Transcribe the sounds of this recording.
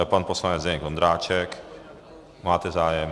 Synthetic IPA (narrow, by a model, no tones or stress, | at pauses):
ɛpanposlaɲɛd͡zd̪ɛɲɛɡvond̪ɾaːt͡ʃɛk | maːt̪ɛzaːjɛm